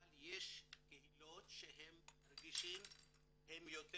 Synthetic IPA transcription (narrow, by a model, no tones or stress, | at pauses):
aljeʃkehilo̞t̪ʃeɦemːaɾɡiʃim | hemjot̪